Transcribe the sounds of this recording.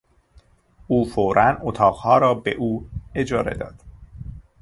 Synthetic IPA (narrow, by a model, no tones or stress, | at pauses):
ʔuːfoɾʔænot̪ʰɒːɣhɒːɾɒːbeʔuːe̞d͡ʒɒːɾe̞̰d̪ɒ̰ːd̪̥